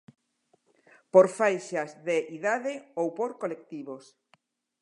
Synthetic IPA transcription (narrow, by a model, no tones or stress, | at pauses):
poɾfajʃazðeʔiðaðɪowpoɾkolek̚t̪iβos